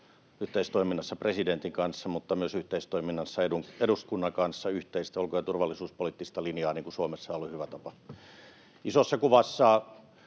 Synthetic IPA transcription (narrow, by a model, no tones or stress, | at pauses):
yht̪eist̪oiminːɑsːɑpresident̪iŋkɑnsːɑmut̪ːɑmyøsyht̪eist̪oiminːɑsːɑedueduskunːɑŋkɑnsːɑyht̪eist̪æolkojɑt̪urʋɑlːisuːspoliˑt̪ːist̪ɑlinjɑːniːŋkusuomesːɑolːihyʋæt̪ɑpɑ | isosːɑkuʋɑsːɑː